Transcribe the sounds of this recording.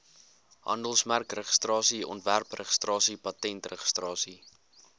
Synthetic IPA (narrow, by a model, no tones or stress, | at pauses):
ɦɐ̰ndəlˠsmærkrəχə̥strɑːsiɔ̰ntværprəχə̥strɑːsipɐtɛntrəχə̥strɑːsi